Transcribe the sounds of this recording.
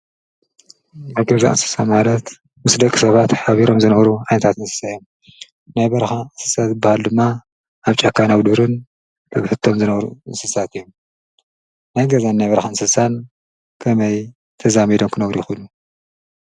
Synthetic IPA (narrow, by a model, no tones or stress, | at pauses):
najɡɐza̰ʔɨ̰nsɨ̥samalɐt̪ | mɨsd̪ɐkʼi̥sɐβat̪ħaβiɾo̞mzɨnɐβɾuʕajnɐt̪ʰat̪ɨnsɨ̥sajom | najβɐɾxansɨsat̪zɨbːahald̪ɨmːa | ʔaβt͡ʃʼɐkʰːanaβd̪uɾɨn | tʰɨβħɨt̪ʰːomzɨnɐβɾṵɨnsɨsat̪ɨjːu | najɡɐzanːajβɐɾxaɨnsɨsan | kʰɐmɐj | t̪ʰɐzamid̪o̞mkʰɨnɐβɾujɪxulːu